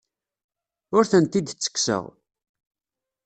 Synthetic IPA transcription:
ʊɾθənt̪id̪t͡sːə̥kːsə̰ʁ

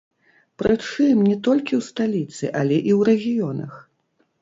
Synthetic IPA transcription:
pɾɨt̪ʂɨmnʲɛt̪ɔlʲkʲiwst̪alʲit̪sɨʔalʲɛʔiwɾɛɣʲijɔnɐ̰x

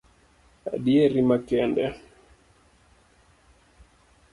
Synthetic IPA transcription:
a̰ɗiɛɾimakɛndɛ

